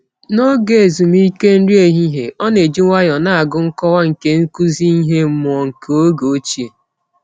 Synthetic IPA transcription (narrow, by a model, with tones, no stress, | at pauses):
nɔ˦ɡe˨e˨zu˨m˦i˦ke˦n̩˦ɾi˦e˨ɦi˦ɦe˨ʔɔ˦ne˨d͡ʒi˦ŋʷa˦jɔ˨na˦a˨ɡʊ˦ŋ̩˦kɔ˦wa˦ŋ̩˨ke˦ŋ̩˦ku˦zi˦i˦ɦe˦m̩˦˨mʊ˨ɔ˨ŋ̩˨ko˦ɡo˨˦t͡ʃi˨e˨